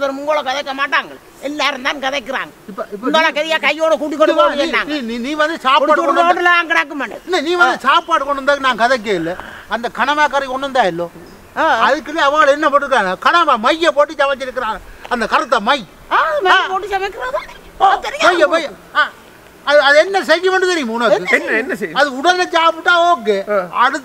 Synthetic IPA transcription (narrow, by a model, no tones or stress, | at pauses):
ɐðɐɾmʊŋɡoːɭɐkɐðɐkːɐmaːʈːaːŋɡɐɭ | ɛlːaːɾɯmt̪aːnkɐðɐkːɪɾa̰ːŋɡɐɪpːɐɪp̬ːɐnd̪aːlãːkɛɾɪjaːkɐjːoːɽɐkuːʈːik̬ːɔɳɯkɐɛiaːŋnĩːniːnĩːʋɐnd̪ɯsaːppaːʈɯɔkɔɔnːɐlɐʋaːŋɡɐɽaːk̬ːɯmɐɳɖɪnːɐnĩːʋɐnd̪ɯsaːpːaːʈːɯkɔɳːɯnd̪aːkːɯnaːŋkɐðɐk̬ːeːɪlː | ɐnd̪ɐkɐɳɐʋaːkaːɾikɔɳːɯnd̪aːɪlːoː | ɐðɯk̬ːɯleɐʋaːɭɛnːɐpɐʈːɯɾɯkːɯɾaːnɐkɐnɐʋamɐjːɐp̬oːʈːɯt͡ʃɐʋɐt͡ʃːɪɾɯk̬ːɪɾãːɐnd̪ɐkɐɾɐt̪ːɐmɐj | aːɐmeãːpoːʈːɯsɐmɐkːɪɾɐːðani | t̪ɛɾɪjɐjɐmɐjɐ | aː | ɐðɯɐðɯɛnːɐsɛɾːɯmɐɳɖɯt̪ɛɾɪjɯmpuːnːɐðɯɛnːɐɛnːɐsɛɐðɯʊɽɐɲɐt͡ʃaːp̬ːɯʈ̪ːãːoːk̬ːeːɐɽɯt̪ː